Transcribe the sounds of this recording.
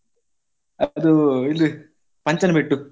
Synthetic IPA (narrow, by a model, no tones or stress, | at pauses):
ɐd̪uilːi | pɐɲt͡ʃɐnɐbiʈːu